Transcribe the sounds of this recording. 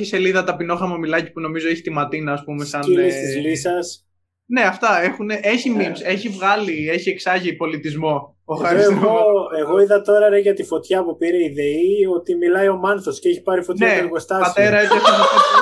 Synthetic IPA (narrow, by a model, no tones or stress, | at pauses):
çise̞liðɐt̪ɐpino̞xɐmomilɐci̥puno̞mizoeçi̥t̪imɐt̪inɐːspumesɐnsizlisɐs | ne̞ɐft̪ɐe̞xuneʔe̞çimimse̞çivɣɐlie̞çie̞ksɐʝipo̞lit̪izmo̞ | oxɐɾisɣoeɣo̞iðɐt̪o̞ɾɐɾeʝɐt̪ifo̞t̪çɐpupiɾeiðeiot̪imilɐio̞mɐnθosceeçi̥pɐɾifot̪nɐeɣost̪ɐpɐt̪eɾɐet̪iesom